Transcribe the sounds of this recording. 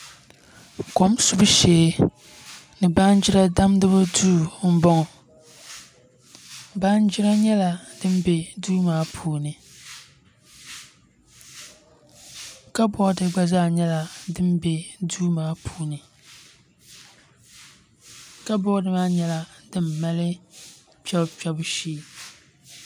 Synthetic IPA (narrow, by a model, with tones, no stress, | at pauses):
ko˦msu˦bɨ˦ʃeː˨˦ | nɨ˨ba˦nd͡ʒi˦ɾa˦da˦mdɨ˦ba˦duː˦˨m̩˦bɔ˦ŋɔ˨ | baː˦n˦d͡ʒi˦ɾa˦ɲɛ˦la˨dɨ˦m˦be˨duː˦maː˦pʰuː˨˦nɨ˨ | ka˦bɔ˦dɨ˨ɡ͡ba˦zaː˦˨ɲɛ˦la˨dɨ˦m˦be˨duː˦maː˨˦pʰuː˦nɨ˨ | ka˦bɔ˦dɨ˨maː˦ɲɛ˦la˨dɨ˦mːa˦lɨ˦ | pɛ˦pɛ˦bʊ˦ʃiː˦˨